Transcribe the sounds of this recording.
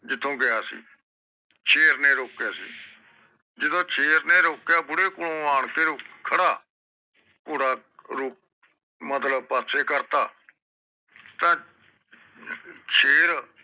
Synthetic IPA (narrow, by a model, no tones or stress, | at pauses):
d͡ʒɪt̪ʰːõːɡɪjaːsḭː | t͡ʃʰeːɾnẽːɾoːkːjaːsḭː | d͡ʒɪd̪õːt͡ʃʰeːɾnẽːɾoːkːjaːbʊɽeːkʊlõːaːɳkeːɾokʰəɽaː | puːɾaːɾʊːk̚ | mət̪ləb̚paːt̪seːkəɾt̪aː | t̪ãː | t͡ʃʰeːɾ